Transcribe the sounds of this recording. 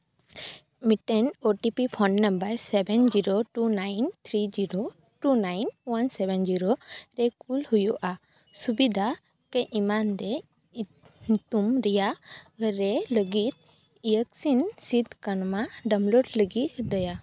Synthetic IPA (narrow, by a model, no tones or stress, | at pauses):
miʈɛnoʈipipʰɔnːəmbəɾsɛbɛnd͡ʒiɾoʈunajnt̪ʰɾid͡ʒiɾo | ʈunajnwansɛbɛnd͡ʒiɾoɾɛkulhujuʔa | subid̪ʱa | kɛʔimand̪ɛ | t̪umɾɛjaɾɛləɡit̪̚ | ijəksinsid̪kənmaɖəmloɖləɡit̪d̪əja